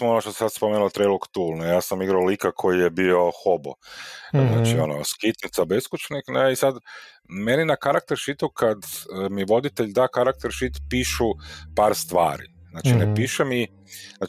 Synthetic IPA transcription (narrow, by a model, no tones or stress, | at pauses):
onoʃt̪ose̥sad̪spomeːnulot̪ɾejloɡt̪uːlˠnejaːsamiɡɾaolikakʰo̞jijebio̞xo̞bo̰znaːt͡ʃiono̰skit̪nit̪sabeskut͡ʃnikneisad̪ | meninakaɾak̚t̪eɾʃit̪ukʰad̪miʋo̞d̪it̪eʎd̪aːkaɾak̚t̪eɾʃit̪piːʃupaːɾst̪ʋa̰ːɾḭznaːt͡ʃinepiːʃemi | na